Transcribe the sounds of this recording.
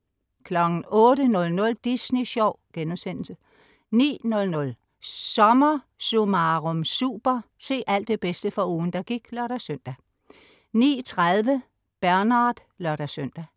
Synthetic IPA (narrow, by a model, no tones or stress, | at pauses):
kʰlɒ̽ɡ̥n̩ɔ̽ːɾənɔ̽lnɔ̽ld̥isniɕɒʊ̰ɡ̥enmsen̰l̩sə | nḭːnɔ̽lnɔ̽l | sɒ̽mɐ | sumɑʁomsṵːb̥ɐse̝̰ːʔæl̰d̥e̝b̥esd̥əfɒ̽uːn̩d̥ɑ̈ɡ̥iɡ̥lɶɐɾ̥æsœn̰d̥æ | nḭːt͡sʰʁaðˠʋə | b̥æɐnɑ̈ːd̥ | lɶɐɾ̥æsøn̰d̥æ